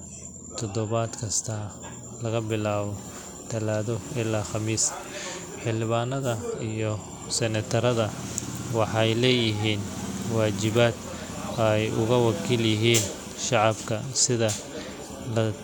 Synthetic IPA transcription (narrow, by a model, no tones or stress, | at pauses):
t̪ʰɔd̪ɔβaːd̪kʰɐst̪ʰa | lɐɣɐbɪlaːβɔ | t̪ʰɐlaːðɔɪlːaːxɑmiːs | ħɪlɪβaːnɐðɐijɔ | sɛnɐt̪ʰɐɾɐðɐwɑħɑjlɛːjɪɦiːnwaːt͡ʃɪβaːd̪ | ɐjʊɣɐwɑkʰiːljɪɦiːn | ʃɑʕɑbkʰɐsɪðɐ | lɐ